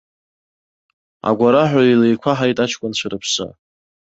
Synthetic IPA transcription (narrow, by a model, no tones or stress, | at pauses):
a̰ɡʷaɾaħʷᶣailejkʷʰaħajtʼat͡ʃʰkʷʼʊnt͡ɕʷʰaɾɨpʰsɨ̰